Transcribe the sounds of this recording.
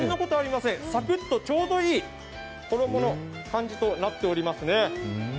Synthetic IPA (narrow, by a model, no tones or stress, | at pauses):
nːoko̞t̪o̞aɾʲimasẽ̞ɰ̃sakɯ̟t̪ːo̞t͡ɕo̞ːd̪o̞iː | ko̞d̪o̞mo̞no̞ | kãɲ̟d͡ʑit̪o̞nat̪ːe̞o̞ɾʲimasɨne̞